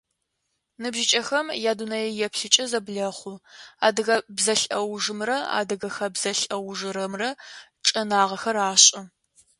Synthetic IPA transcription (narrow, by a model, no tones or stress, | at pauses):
nɨbʒɪt͡ʃʼɐxɐmjaːdunɐjɛjɛpʰɬɨt͡ʃʼɐzɐbɮɐχʷʊa̰ːdɨɣɐbzɐɬɐwʒɨmrɐa̰ːdɨɣɐxɐbzɐɬʼɐwʒɨɾɐmrɐʈ͡ʂʼɐnaːʁɐxɐraːɕʼɪ